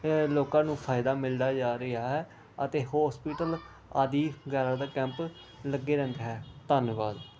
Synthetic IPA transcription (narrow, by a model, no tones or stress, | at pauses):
loːkãːnũːpʰaːɪd̪aːmɪld̪aːd͡ʒaːɾɪaːɦɛː | ət̪eːɦɔːspiːʈəl | aːd̪iːɡɛːɾãːd̪aːkɛ̃ːmp | ləɡːeːɾɛ̃ːnd̪eɦɛːt̪ənʋaːd̪